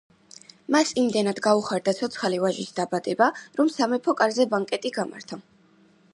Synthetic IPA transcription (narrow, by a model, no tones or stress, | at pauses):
masimd̪ɛnad̪ɡauχaɾd̪at̪sʰɔt̪sʰχalivaʒisd̪abad̪̥ɛbaɾɔmsamɛpʰɔkʼaɾzɛbaŋkʼɛt̪ʼiɡama̰ɾt̪ʰa